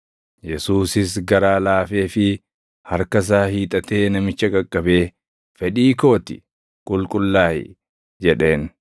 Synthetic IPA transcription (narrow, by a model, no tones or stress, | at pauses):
jɛsuːsɪsɡɐɾaːlaːfe̞ːfɪ | hɐɾkɐs̬aːhiːt̪ʼɐt̪e̞ːnɐmɪt͡ʃːɐkʼɐkʼːɐbe̞ː | fɛᶑiːko̞ːt̪ɪ̰ | kʼʊlkʼʊlːaːhɪ̰ | d͡ʒɛᶑe̞ːn